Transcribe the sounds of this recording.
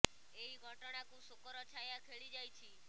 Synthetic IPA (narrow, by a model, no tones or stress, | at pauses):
eiɡʱɔʈɔɽ̃akũsukɾɔt͡ʃʰajakʰeɭid͡ʒajt͡ʃʰi